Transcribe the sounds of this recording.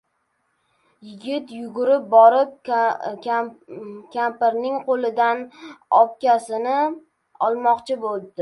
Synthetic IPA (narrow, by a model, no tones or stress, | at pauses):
jɪɡʲɪt̪jʊɡʊɾɪp̚bɒɾɪp̚ | kʲʰampɪɾnɪŋqʰolˠɪd̪anɒp̚kʲasɪnɪ | ɒlˠmɒqt͡ʃʰɪbolˠd̪ɪ